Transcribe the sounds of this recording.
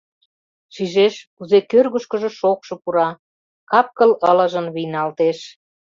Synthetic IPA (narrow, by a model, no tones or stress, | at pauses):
ʃiʒeʃkuzekørɣəʃkə̆ʒĕʃokʃɤ̆puɾɑ | kɑp̚kələlə̆ʒə̆nβijnɑlt̪eʃ